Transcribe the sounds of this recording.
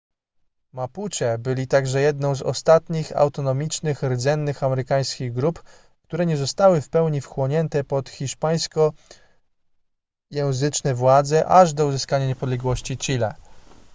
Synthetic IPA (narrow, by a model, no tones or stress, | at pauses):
maput͡ɕɛbɘlʲit̪aɡʐɛjɛd̪nɔ̃w̃zɔ̰st̪at̪ɲixa̰wt̪ɔnɔmʲit͡ʂnɘxɾɘd̪zɛnːɘxamɛɾɘkaj̃skʲiɣɡɾup | kt̪uɾɛɲɛzɔst̪awɘfpɛwɲifxwɔɲɛnt̪ɛpɔt̪xʲiʂpaj̃skɔ | jɛw̃zɘt͡ʂnɛvwad̪zɛʔaʐd̪ɔuzɘskaɲaɲɛpɔd̪lɛɡwɔɕt͡ɕit͡ɕilɛ̰